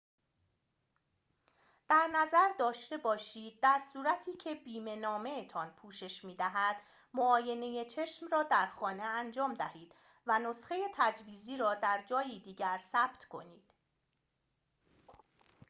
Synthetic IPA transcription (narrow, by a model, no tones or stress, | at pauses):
d̪̥æɾnæzæɾd̪ɒːʃt̪e̞bɒːʃiːd̪̚ːæɾsuːɾæt̪ʰiːcʰe̞biːme̞nɒːme̞et̪ʰɒːnpʰuːʃe̞ʃmiːd̪æɦæd̪ | moɒːje̞ne̞je̞t͡ʃʰe̞ʃmrɒːd̪æɾxɒːne̞ænd͡ʒɒːmd̪æhiːd̪̥ | væno̞sxe̞je̞t̪ʰæd͡ʒviːziːɾɒːd̪æɾd͡ʒɒːjiːd̪iːɟæɾsæːb̥t̪ʰkʰo̞̰niːd̪̥